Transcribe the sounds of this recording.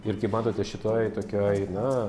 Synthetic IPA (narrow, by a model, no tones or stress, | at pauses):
ɪrkɐɪpmɑːt̪oːt̪ʲɛʃʲɪt̪oːjt̪oːkʲoːjnɐ